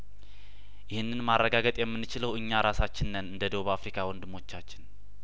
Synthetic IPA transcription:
jɪhɨnːɨnmarːəɡaɡət̪ʼjɛmːɨnːɨt͡ʃɪləwʔɨɲːaɾasat͡ʃːɪnːənɨnd̪əd̪əwuβafɾikʰawɔnd̪ɨmo̞t͡ʃːat͡ʃːɪn

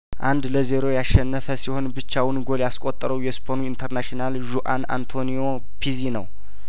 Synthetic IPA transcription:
ʔand̪ləzeɾo̞jaʃɛnːəfəsiho̞nbɨt͡ʃːawɨnɡo̞ljaskʼot̪ʼːəɾəwjɛspʰonuint̪ʰəɾnaʃinalʒuʔa̰na̰nt̪ʰo̞nijo̞ | pʰizinə̰w

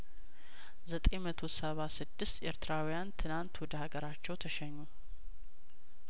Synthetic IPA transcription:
zət̪ʼemət̪ʰo̞səβasɨd̪ːɨst̪e̞ɾt̪ɨɾawijant̪ʰɨnant̪wɔd̪əhaɡəɾat͡ʃːɛwt̪ʰəʃɛɲːu

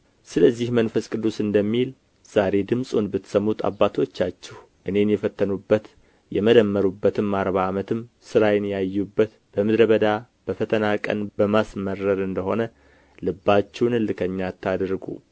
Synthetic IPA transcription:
sɨləzːihmənfəskʼɨd̪ːusɨnd̪əmːil | z̥aɾe̞d̪ɨmsʼunbɨt̪ːsəmːut̪ʰa̰bːat̪ʰo̞t͡ʃːat͡ʃːɛh | ʔɨne̞njɛfət̪ʰːənubːət̪ | jɛməd̪əmːəɾubːət̪ʰɨmːaɾβaːmət̪ʰɨm | sɨɾajɪnjajːubːət̪ | b̥əmɨd̪ɾəβəd̪a | b̥əfət̪ʰənakʼə̰nbəmasməɾːəɾɨnd̪əho̞nə | lɨbːat͡ʃːɛwnɨlɨkʰəɲːat̪ʰːad̪ɾɡṵ

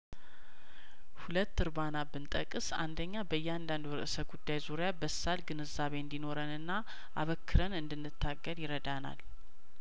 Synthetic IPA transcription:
hulət̪ːɨɾbanabɨnt̪ʼə̰kʼɨsa̰nd̪əɲːabəjːɛand̪and̪ɾɨ̰ʔɨsət̪̚ɡud̪ːajzuɾejabəsːalɡɨnɨzaβe̞ɨnd̪ino̞ɾənɨnːa | ʔa̰βəkːɨɾənɨnd̪ɨnːɨt̪ʰːaɡːəljɪɾəd̪ana̰l

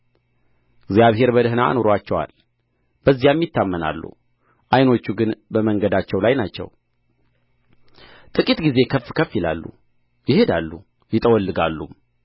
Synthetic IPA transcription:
ɪɡzjaβɦe̞ɾbəd̪əɦɨnaa̰noɾoat͡ʃːɛwa̰l | b̥əzːijamːjɪt̪ːamːəna̰lːṵ | ʔajno̞t͡ʃːuɡɨnbəməŋɡəd̪at͡ʃːɛwlajnat͡ʃːɛ̰w | t̪ʼɨkʼit̪ɡize̞kʰəfːkʰəfːjila̰lːṵ | jɪhe̞d̪alːu | jɪt̪ʼəwɔlːɨɡalːṵm

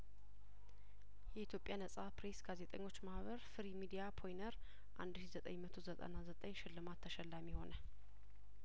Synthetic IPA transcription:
jɛʔit̪ʰjo̞pʼjanəsʼapɾe̞sɡazet̪ʼəɲːo̞t͡ʃːmahβəɾfɨɾimid̪ijapʰo̞jnəɾ | ʔa̰nd̪ʃizət̪ʼəɲmət̪ʰozət̪ʼə̰nazət̪ʼəɲːʃɪlːɨmat̪ʰːəʃɛlːamiho̞nə

